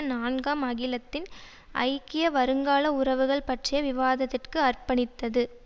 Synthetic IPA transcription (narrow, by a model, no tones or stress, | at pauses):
naːnɡaːmɐɣɪlɐt̪ːɪn | ʔɐ̰ɪkɪjɐʋɐɾɯŋɡaːɭɐʊɾɐʋɯɣɐɭpɐʈrɪjɐʋɪʋaːðɐt̪ːɪrkɯɐrpɐɳɪt̪ːɐðɯ